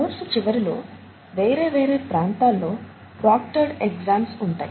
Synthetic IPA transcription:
uɾsut͡ʃiʋɐɾilo̞̰ː | ʋe̞ːɾe̞ːʋe̞ːɾe̞ːpɾaːnt̪aːlːo̞ː | pɾaːk̚ʈɐɾɖeɡzaːmsuɳʈa̰ːji

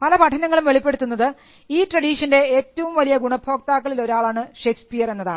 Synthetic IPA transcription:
pɐlɐpɐʈʰɐnɐŋːɐɭumʋe̞ɭipːe̞ɽut̪ːunːɐðɨ | iːtrɐɽiːʂɐnde̞eːtːɐʋumʋɐlijɐɡuɳɐpʰo̞ːk̚t̪aːkːɐɭilo̞ɾaːɭaːɳɨʂekspijɐre̞nːɐðaːɳɨ

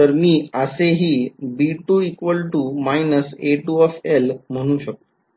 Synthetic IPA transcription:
əɾmiːəseɦiːbiʈuikʋəlʈumainəseʈuɔfelm̤əɽ̃ũːɕək̚t̪o

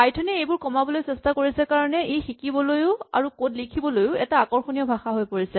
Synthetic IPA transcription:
ajtʰɔniejbʊɹkɔmabɔlojsɛstakoɹisɛkaɹɔnɛʔejxikibɔlojʊa̰ɹukodlikʰibɔlojʊɛtaːkɔɹxonijɔʊbʱaxaɦojpoɹisɛ

